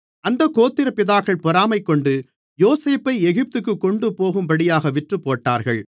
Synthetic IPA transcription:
ɐnd̪ɐkoːt̪ːɪɾɐpɪðaːkːɐɭpɔɾaːmɐɪkːɔɳɖɯ | joːseːpːɐɪɛɣɪp̚t̪ɯk̬ːɯkːɔɳɖɯpoːɣɯmbɐɽɪjaːɣɐʋɪʈrɯpːoːʈːaːɾɣɐɭ

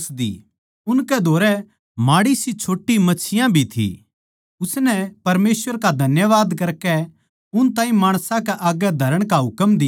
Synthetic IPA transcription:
sd̪ḭ | ʊnkɛd̪ʱoːɾɛ | maːɽisit͡ʃʰoːʈːimɐt͡ʃʰɪjãbʱit̪ʰḭ | ʊsnɛpɐɾmeːsʋəɾkad̪ʱɐnjəʋaːd̪kɐɾkɛ | ʊnt̪ãːĩmaːɽ̃sãkɛʔaːɡɛd̪ʱɐɾəɽ̃kaɦʊkəmd̪ɪ

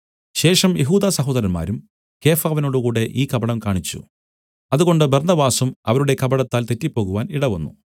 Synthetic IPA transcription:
ɕe̞ːʂɐmjʔeɦuːd̪aːsɐɦoːðɐɾɐnma̰ːɾum | ke̞ːfaːʋɐno̞ːɽukuːɽe̞ʔiːkɐbɐɽɐmkaːɳit͡ɕːṵ | ɐðuɣo̞ɳɖɨbernɐbaːsumɐ̰ʋɐɾuɽe̞kɐbɐɽɐt̪ːaːlt̪e̞tːipːo̞ːɣuʋaːniɽɐʋɐnːṵ

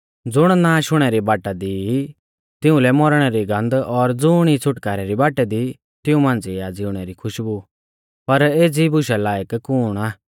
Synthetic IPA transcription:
d͡zʊɽ̃nãːʃʊɽ̃ɛɾibaːʈad̪i | t̪ɪũlɛmɔɾɽ̃ɛɾiɡɐ̃nd̪ɔɾd͡zʊːɽ̃it͡sʰʊʈkaːɾɛɾibaːʈɛd̪i | t̪ɪũmãːnd͡ziad͡zɪʊɽ̃ɛɾikʰʊʃbu | pɐɾeːd͡zibʊʃalaːjəkkːʊːɽ̃aː

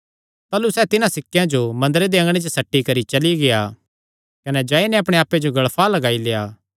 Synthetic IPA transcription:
t̪aːlusɛːt̪ɪnãsɪkːjãd͡ʒomɐ̃nd̪ɾed̪eɐ̃ŋɡɽ̃et͡ʃəsɐʈːikɐɾit͡ʃɐliɡeja | kɐnɛd͡ʒaːinɛɐpɽ̃eaːpːed͡ʒoɡɐɭpʰalɐɡaːileːaː

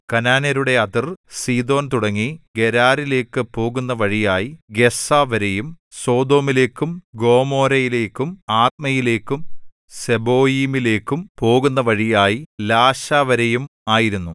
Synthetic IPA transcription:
kɐnaːneɾuɽe̞ɐt̪irsiːd̪o̞ːnt̪uɽɐŋːiɡe̞ɾaːɾile̞ːkːɨpo̞ːɣunːɐʋɐɻijaːjiɡe̞saːʋɐɾejum | so̞ːd̪o̞ːmile̞ːkːumɡo̞ːmo̞ːɾɐjile̞ːkːumaːt̪̚mɐjile̞ːkːum | se̞bo̞ːjiːmile̞ːkːumpo̞ːɣunːɐʋɐɻijaːjilaːɕaːʋɐɾɐjumaːjiɾunːu

